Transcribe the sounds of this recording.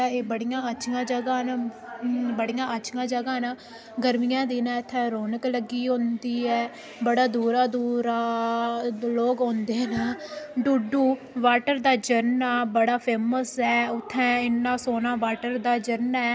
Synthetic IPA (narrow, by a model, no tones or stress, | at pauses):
aːeːbəɽijãːət͡ʃʰɡãːd͡ʒəɡaːn | bəɽijãːət͡ʃʰɡãːd͡ʒəɡaːnaː | ɡəɾmijãːd̪iːnaːɪt̪ʰːɛ̃ːɾoːnəkləɡiːɦõnd̪iːɛː | bəɽaːd̪uːɾaːd̪uːɾaː | loːkɦõːnd̪eːnaːɖuːɖuː | ʋaːʈəɾd̪aːd͡ʒəɾnaːbəɽaːpʰeːməsɛːʊt̪ʰːɛ̃ːɪnːãːsoːnãːʋaːʈəɾd̪aːd͡ʒəɾnɛː